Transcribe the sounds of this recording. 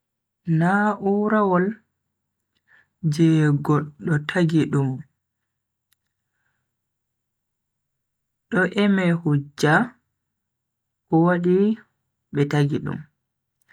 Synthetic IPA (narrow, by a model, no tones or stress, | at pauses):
naʔuːɾawɔl | d͡ʒɛɡɔɗːɔtʰaɡiɗum | ɗɔʔɛmɛhud͡ʒːa | ʔɔwaɗi | ɓɛtaɡiɗṵm